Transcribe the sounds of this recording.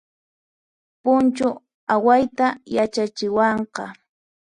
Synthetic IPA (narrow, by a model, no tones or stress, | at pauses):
pʊnt͡ʃʊ | awajt̪ajat͡ʃat͡ʃɪwɑɴqɑ